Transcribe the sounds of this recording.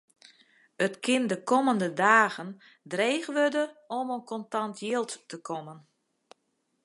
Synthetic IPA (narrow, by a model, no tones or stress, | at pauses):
ətkʰɪndəkɔməndədaːɣən | dreːxʋødəɔmonkɔntantʰjilˠttəkʰɔmən